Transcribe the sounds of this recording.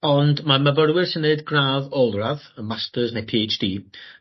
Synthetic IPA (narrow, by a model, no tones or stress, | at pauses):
ɔndmaməvəɾwɪrsənːeɨdɡraːðɔlˠraðəmastəznejpʰiːet͡ʃd̥iː